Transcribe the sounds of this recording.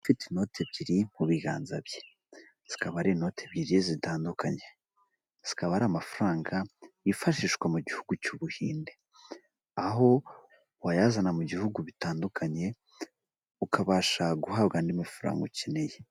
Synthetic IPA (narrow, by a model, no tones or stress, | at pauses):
ufiteno̞tʰebɟiɾim̥uβiɡa̰ːnza̰bje | z̥i̥kaβaɾino̞ːtʰeβɟiɾizitaːndukʰaɲe̞ | z̥i̥kaβaɾamafaɾaːŋɡajifaʃiːʃkwamuɟihuɡucuːβuhḭːnde | aɦo̞ | wajazanamuɟihuɡuβitaːndukʰaɲe̞ | ukʰaβaːʃaɡuhabɡaːndimifaɾa̰ːŋɡocineje